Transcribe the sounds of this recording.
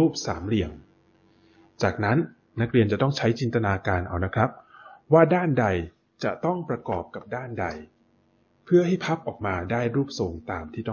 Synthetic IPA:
uː˥˩p̚saː˩˦mli˨˩əŋ | t͡ɕaː˨˩k̚na˦˥nː | a˦˥k̚ɾi˧ənt͡ɕa˨˩t̪ɔ˥˩ŋt͡ɕʰa˦˥jt͡ɕi˧nt̪a˧naː˧kaː˧nʔa̰˧˩wna˦˥kʰɾa˦˥p̚waː˥˩daː˥˩nda˧j | t͡ɕa̰˨˩t̪ɔ˥˩ŋpɾa˧kɔː˨˩p̚ka˨˩p̚daː˥˩nda˧j | pʰɯ˥˩ɐɦa˥˩jpʰa˦˥p̚ʔɔː˨˩k̚maː˧daː˥˩jɾuː˥˩p̚so˨˧˩ŋt̪aː˨mt̪ʰiː˥˩t̪ɔ˥

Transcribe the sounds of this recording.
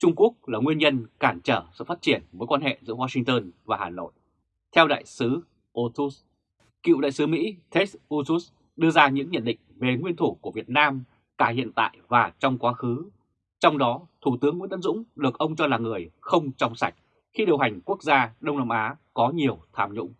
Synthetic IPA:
t͡ɕʊ˧ŋ͡mku˦˥ək̚laː˨˩ŋwi˧ənɲə˧nkaː˧˩mt͡ɕəː˧˩sɨ̰˧˨faː˦˥t̚t͡ɕi˧˩ənvəː˨˦jkwaː˧nhḛ˧˨zɨ̰˧˥əwaː˧sï˧ŋt̪əː˧nvaː˨˩haː˨˩no̰˧˨j | t̪ʰɛ˧wɗa̰ː˧˨jsɨ˨˦ | ʔo˧t̪u˦˥s | kḭ˧˨wɗa̰ː˧˨jsɨ˨˦mḭ˧˥t̪ʰe˦˥sʔu˧t̪u˦˥s | ɗɨ˧əzaː˧ɲɨ̰˧˥ŋɲə̰˧˨nɗḭ̈˧˨ŋ̟ve˨˩ŋwi˧ənt̪ʰu˧˩ku˧˩əvi˨˩ət̚naː˧m | kaː˧˩hḭ˧˨ənt̪a̰ː˧˨jvaː˨˩t͡ɕɔ˧wŋ͡mkwaː˨˦xɨ˨˦ | t͡ɕɔ˧wŋ͡mɗɔ˨˦t̪ʰu˧˩t̪ɨ˨˦əŋw̰nə̰˧˥nzʊ̰˧˥ŋ͡mɗɨ˨˩ək̚ʔə˧wŋ͡mt͡ɕɔ˧laː˨˩ŋɨ˨˩əjxə˧wŋ͡mt͡ɕɔ˧wŋ͡msa˨˩jk̟̚ | xi˧ɗi˨˩əwɦa˨˩jŋ̟ku˦˥ək̚zaː˧ɗə˧wŋ͡mnaː˧mʔaː˨˦kɔ˨˦ɲi˨˩əwt̪ʰaː˧mɲʊ̰˧˥ŋ͡m

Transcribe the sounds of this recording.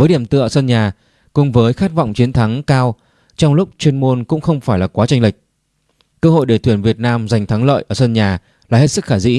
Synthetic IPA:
vəː˨˦jɗi˧˩əmt̪ɨ̰˧˨ʔəː˧˩sə˧nɲaː˨˩ | kʊ̰˨˧˩ŋ͡mvəː˨˦jxaː˦˥t̚vɔ̰˧˨wŋ͡mt͡ɕi˨˦ənt̪ʰa˨˦ŋkaː˧w | t͡ɕɔ˧wŋ͡mlʊ˦˥k͡p̚t͡ɕwi˧ənmo˧nkʊ̰˧˥ŋ͡mxə˧wŋ͡mfaː˧˩jlaː˨˩kwaː˨˦t͡ɕa˧ŋ̟lï˨˩k̟̚ | kəː˧ɦo̰˧˨jɗt̪ʰwi˧˩ənvi˨˩ət̚naː˧mza˨˩jŋ̟t̪ʰa˨˦ŋlə̰ː˧˨jʔəː˧˩sə˧nɲaː˨˩ | laː˨˩he˦˥t̚sɨ˦˥k̚xaː˧˩zḭ˧˥

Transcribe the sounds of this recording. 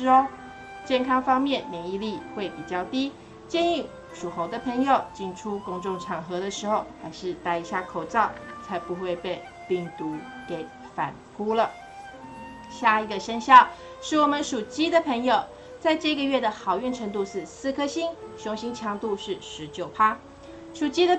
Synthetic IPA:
o˥ʊ | t͡ɕjɛ˥˩nkʰɑ˥ŋfɑ˥ŋmjɛ˥˩nljɛ˧˥ni˥˧li˥˧xwe˥˩ɪpi˨˩t͡ɕjɑ˥˩ʊt̪i˥ | t͡ɕjɛ˥˧ny˥˩ | ʂu˨˩xo˧˥ʊd̪ə˧pʰɤ˧˥ŋjo˨˩ʊt͡ɕi˥nʈ͡ʂʰu˥kʊ˥ŋʈ͡ʂʊ˥˩ŋʈ͡ʂʰɑ˨˩ŋxɤ˧˥d̪ə˧ʂɻ̩˧˥xo˥˧˩ʊxa˧˥ɪʂɻ̩˥˧t̪a˥˩ɪi˧˥ɕja˥˩kʰo˨˩ʊt͡sɑ˥˩ʊt͡sʰa˧˥ɪpu˧˥xwe˥˧ɪpe˥˧ɪ | pi˥˩ŋt̪u˧˥ | ke˧˩˦ɪ | fa̰˨˩nfʰu˥lə˨ | ɕja˥˩i˧˥ɡə˧ʂə˥nɕjɑ˥˩ʊ | ʂɻ̩˥˩wɔ˨˩mə˦nʂu˨˩t͡ɕi˥d̪ə˨pʰɤ˧˥ŋjo˨˩ʊ | t͡sa˥˧ɪʈ͡ʂɤ˥˧ɡə˨ɥɛ˥˩d̪ə˩xɑ˨˩ʊy˥˩nʈ͡ʂʰə˧˥ŋt̪u˥˧ʂɻ̩˥˧sɹ̩˥˧kʰɤ˥ɕi˥ŋɕʊ˧˥ŋɕi˥ŋt͡ɕʰjɑ˧˥ŋt̪u˥˧ʂɻ̩˥˩ʂɻ̩˧˥t͡ɕjo˨˩ʊpʰa˥ | ʂu˨˩t͡ɕi˥d̪ə˨

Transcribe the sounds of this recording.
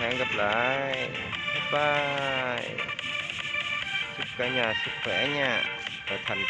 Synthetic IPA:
hɛ̰˧˦ŋɣə˨˩p̚la̰ː˧˨j | t̪ʰu˦˥ɓaː˧j | sɨ˦˥k̚kaː˧˩ɲaː˨˩sɨ˦˥k̚xwɛ˧˩ʔɲaː˧˩ʔə˨˩t̪ʰa˨˧˩ŋ

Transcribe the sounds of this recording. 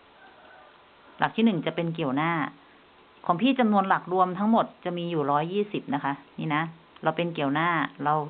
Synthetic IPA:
la̰˨˩k̚t̪ʰiː˥˩nɯ˨˩ŋt͡ɕa˨˩ʔpe˧nk̬i˨˩əwnaː˥˩ | kʰɔː˩˦ŋpʰiː˥˩t͡ɕa˧mnu˧ənla˨˩k̚ɾu˧əmt̪ʰa˦˥ŋmo˨˩t̪̚t͡ɕa˨˩miː˧juː˨˩ɾɔː˦˥jːiː˥˩si˨˩p̚na˦˥kʰa˦˥niː˥˩na˦˥ | ɾa˧wpe˧nki˨˩əwnaː˥˩ɾa˧w

